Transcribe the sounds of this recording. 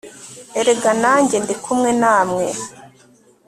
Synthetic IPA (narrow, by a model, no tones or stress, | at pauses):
eɾeɡanaːɲɟe̞ndikʰumŋenaːmŋe